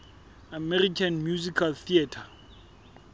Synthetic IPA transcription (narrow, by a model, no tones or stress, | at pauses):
amɛrikʰanmjuzikʰalθiatʰa